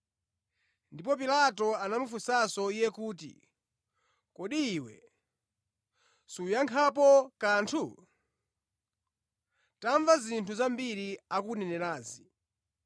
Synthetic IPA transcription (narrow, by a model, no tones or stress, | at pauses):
ndip̬ɔp̬ilatɔanamufusasɔijɛkuːtḭ | kɔɗiːwɛ̰ | sujaŋkʰapɔkantʰu | taɱvazintʰuzambiɾiakunɛnɛɾaːzi